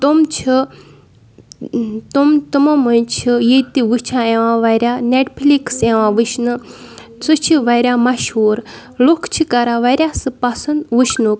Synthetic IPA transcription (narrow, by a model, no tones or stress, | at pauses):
t̪umt͡ʃʰi | t̪umt̪umɐmunt͡ʃʰijit̪iʋɨt͡ʃʰãẽʋãʋaɾʲjaːneʈpʰlikseʋãːʋɨʃʰnɨt͡sɨt͡ʃʰiʋɐɾʲamɐʃɦuːɾ | lokʰt͡ʃʰikɐɾaʋaɾʲjasɨpɐsɐnd̪ʋɨʃʰnuk